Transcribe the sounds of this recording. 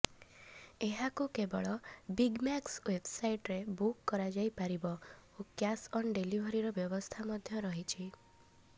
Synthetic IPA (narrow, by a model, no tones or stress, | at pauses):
eɦakukebɔɭɔbiɡmakswebsajʈɾebukːɔɾad͡ʒajpaɾibɔokjasɔnɖelibʱɔɾiɾɔbjɔbɔst̪ʰamɔd̪ʱjɔɾɔɦit͡ʃʰi